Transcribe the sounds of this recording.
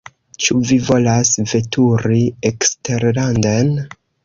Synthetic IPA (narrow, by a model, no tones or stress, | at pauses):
t͡ʃuvivo̞lasve̞tʰuɾiekste̞ɾlanden